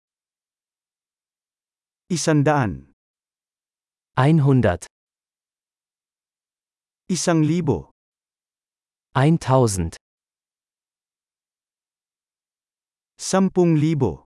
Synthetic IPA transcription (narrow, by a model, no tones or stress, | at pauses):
ʔisand̪aʔan | ʔaɪnɦʊndɐt | isaŋliːbo̰ | ʔaɪntʰaʊzn̩t | sampʊŋliːbo̰